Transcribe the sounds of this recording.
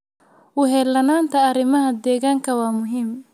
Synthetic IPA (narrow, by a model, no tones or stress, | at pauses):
ʔʊɦɛːlɐnaːnt̪ʰɐːɾɪmɐɦɐd̪ɛːɣaːŋkʰɐwɑːmʊɦiːm